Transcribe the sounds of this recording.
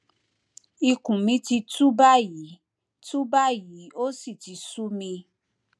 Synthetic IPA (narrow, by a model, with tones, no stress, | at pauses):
i˧kũ˨mĩ˨˧˦ti˧tu˦ba˦˨ji˨˦ | tu˦ba˦ji˨˦o˦si˦˨ti˨˧˦su˦mĩ˧